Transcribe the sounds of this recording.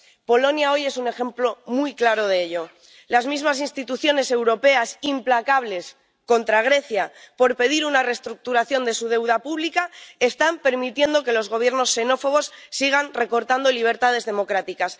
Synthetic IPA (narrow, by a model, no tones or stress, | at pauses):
po̞lo̞njao̞je̞sune̞xe̞mplo̞mujklaɾo̞ð̞eeʎo̞ | lazmizmas̬inst̪it̪uθjo̞ne̞se̞wɾo̞pe̞asimplakaβ̞le̞s | ko̞nt̪ɾaɣ̞ɾe̞θjapo̞ɾpe̞ðiɾunare̞st̪ɾuk̚t̪uɾaθjo̞nd̪e̞suð̞e̞wð̞apuβlikae̞st̪ampe̞ɾmit̪je̞nd̪o̞ke̞lo̞zɣ̞o̞β̞je̞ɾno̞sːe̞no̞fo̞ɣ̞o̞sːiɣ̞anre̞ko̞ɾt̪and̪o̞liβ̞e̞ɾt̪að̞e̞zðe̞mo̞kɾat̪ikas